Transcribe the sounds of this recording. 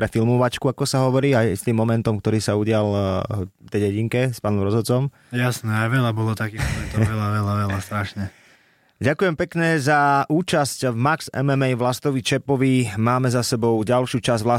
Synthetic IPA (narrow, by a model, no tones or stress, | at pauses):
pɾɛfilmɔʋat͡ʃkuakɔsaɦɔʋɔɾiːajst̪iːmːɔmɛnt̪ɔmkt̪ɔɾiːsauɟɪal | t̪ɛjɟɛɟiŋkɛspaːnɔmɾɔzɦɔt͡sɔm | jasnɛaɪʋɛlabɔlɔt̪akixt̪ɔɾɛt̪ɔʋɛlaʋɛlaʋɛlast̪ɾaʃɲɛ | ɟakujɛmpɛkɲɛzaʔuːt͡ʃascvmaksɛ̰mɛmɛjʋlast̪ɔʋit͡ʃɛpɔʋimaːmɛzasɛbɔʊɟalʃɪuːt͡ʃazʋla